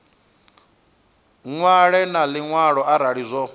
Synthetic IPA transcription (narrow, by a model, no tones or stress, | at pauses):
ŋwaɺɛnaliŋwaɺɔaɾaɺizʷɔ